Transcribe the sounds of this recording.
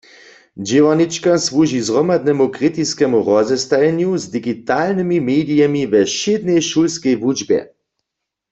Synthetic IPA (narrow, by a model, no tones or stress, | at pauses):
d͡ʒɪʋanit͡ʃkasʋuʒizʁɔmad̪nɛmukʁit̪iskɛmuʁɔzɛst̪ajɛnjuzd̪iɡit̪alnɛmimeːdijɛmivɛʃɪd̪nɛjʃulskɛjvud͡ʒbjɛ̰